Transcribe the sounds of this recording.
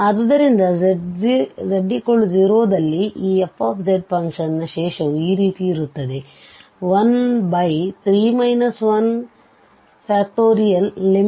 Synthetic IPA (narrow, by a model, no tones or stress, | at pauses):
ɐd̪ɐd̪ɐɾind̪ɐiɾɐɖːikoɭud͡ʒiːɾoːd̪ɐlːiʔiːepːaːpʰd͡ʒeɖ̚pɐŋkʃɐnːɐʃeːʃɐʋuiːɾiːt̪iːɾut̪ːɐd̪e̞ | ʋɐnbɐjt̪ʰɾiːmɐjnɐsʋɐn | paːk̚ʈoːɾijɐnlim